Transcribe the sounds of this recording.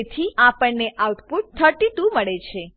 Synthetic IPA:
t̪ʰiapəɳneʔawt̪puʈ̚t̪ʰəʈit̪ũməɭet͡ʃʰe

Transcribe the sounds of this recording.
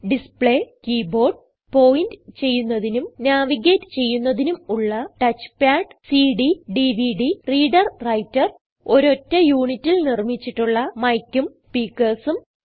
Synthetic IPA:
ɖispɭeːkiːbo̞ːrɖ̚ | po̞ːjindɨt͡ɕe̞jːunːɐðinumnaːʋiɣeːtːɨ̥t͡ɕe̞jːunːɐðinumuɭːɐʈɐt͡ɕːpjaːɖsiɖiɖiʋiɖiriːɖɐrrɐjtːɐr | o̞ɾo̞tːɐjuːɳitːilnirmit͡ɕːiʈːuɭːɐmɐjkʲːum | piːkːɐrsum

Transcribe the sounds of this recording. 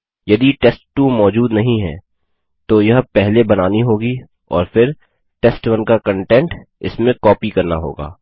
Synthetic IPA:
jɐd̪iʈeːsʈːumɔːd͡ʒuːd̪nɐɦĩɦɛ̰ː | t̪ojɐɦpɛɦlebɐnaːniɦoːɡi | ɔ̰ːɾfɪɾ | ʈeːsʈwɐnkakɐ̃ɳʈɛ̃ɳʈɪ̰smẽkɔːpikɐɾna̰ɦo̰ːɡa̰ː

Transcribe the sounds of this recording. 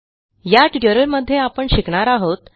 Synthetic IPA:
jaʈiʈəɾəɾməd̪ʱːjeapəɳɕikɳ̃aɾaɦot̪

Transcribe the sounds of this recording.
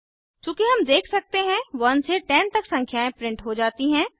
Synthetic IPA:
t͡ʃũːkiɦɐmd̪eːkʰsɐk̚t̪eɦɛ̃ʋɐnseʈɛ̃ːnt̪ɐksɐ̃ŋkʰjaːẽpɾɪ̃ɳʈɦod͡ʒaːt̪iɦɛ̃ː

